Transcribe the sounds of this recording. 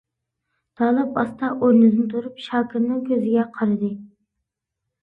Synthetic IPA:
d̪̥ɑːlˠɨpɑst̪ɑʔoɾnɨd̪ɨnɨt̪ʰuɾupʃɑːkʲʰiɾnɨŋkʲʰøzɪɡʲɛqʰɑɾɨd̪ɨ

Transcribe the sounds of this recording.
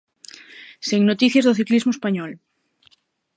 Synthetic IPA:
siŋnot̪iθjazðoθiklizmoespaɲɔl

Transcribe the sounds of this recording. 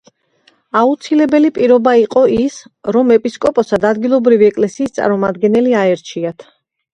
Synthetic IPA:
aut̪sʰilɛbɛlipʼiɾɔbaiqʼɔʔisɾɔmɛpʼiskʼɔpʼɔsad̪ad̪ɡilˠɔbɾiviɛkʼlɛsiːst̪sʼa̰ɾmɔmad̪ɡɛnɛliaɛɾt͡ʃʰiat̪ʰ

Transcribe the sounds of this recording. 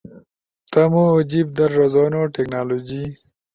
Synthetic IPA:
t̪ɐmoːd͡ʑib̚d̪ɐɾːɐzoːnoʈeknaːloːd͡ʑi

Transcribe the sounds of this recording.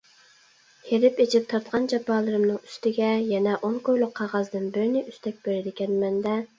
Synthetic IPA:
heɾɪpet͡ʃʰɪp̚t̪ʰɑɾt̪qɑnd͡ʒɑpʰɑːlˠɨɾɨmnɨŋy̥st̪ɪɡʲɛjɛnɛʔonkʰojlˠʊqʰːɑʁɑzd̪ɨnbɪɾɪnɪʔyst̪ʰɛk̚ʲbeɾɪd̪ɪkʲɛnmɛnd̪ɛ

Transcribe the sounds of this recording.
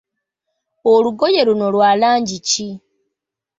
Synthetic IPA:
oluɡo̞je̞ɾuno̞lwaːlaːɲɟici

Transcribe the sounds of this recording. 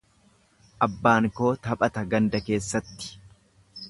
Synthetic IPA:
ʔɐbːaːŋko̞ːt̪ɐpʼɐt̪ɐɡɐnd̪ɐke̞ːsːɐt̪ːɪ̥

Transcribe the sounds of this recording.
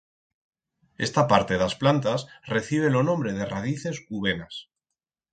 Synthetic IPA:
est̪apaɾt̪e̞ðasplant̪asre̞θiβ̞elo̞nõ̞mbɾe̞ð̞e̞raðiθe̞suβ̞e̞nas

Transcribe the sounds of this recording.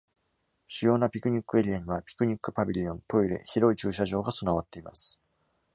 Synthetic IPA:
ɕɨjo̞ːnapʲikɯ̟ɲ̟ikːɯ̟e̞ɾʲiaɲ̟iβapʲi̥kɯ̟ɲ̟ikːɯ̟pabʲiɾʲiõ̞nt̪o̞iɾe̞̰çiɾo̞it͡ɕɨːɕaʑo̞ːɡaso̞naβat̪ːe̞ima̰sɨ̥

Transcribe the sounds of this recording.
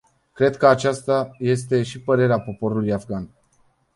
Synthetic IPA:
kɾe̞d̪kəat͡ʃast̪aje̞s̬t̪e̞ʃipəɾe̞ɾeapo̞po̞ɾulujafɡan

